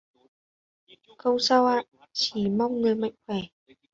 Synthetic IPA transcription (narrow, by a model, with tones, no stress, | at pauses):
kə˧wsa˧wʔaː˧˨ʔ | t͡ɕi˧˩ma˧wŋ͡mŋɨ˨˩əjma̰˧˨jŋ̟xwɛ˧˩